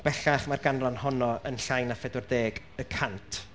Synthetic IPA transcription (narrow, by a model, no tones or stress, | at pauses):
b̥ɛɬaχmarɡanrɔnhɔnɔənɬajnafɛdʊrdeːɡ | əkʰantʰ